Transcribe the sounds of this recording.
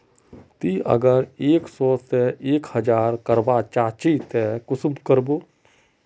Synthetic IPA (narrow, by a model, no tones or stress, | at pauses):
t̪iə̰ɡəɾeːksɔːseʔeːkhəd͡ʒaːɾkəɾbaːt͡ʃaːt͡ʃit̪ɛkʊsbkəɾboː